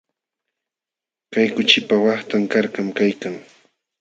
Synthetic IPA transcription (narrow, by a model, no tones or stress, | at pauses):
kajkʊt͡ʃɪpawɑχt̪aŋkaɾkamkajkaŋ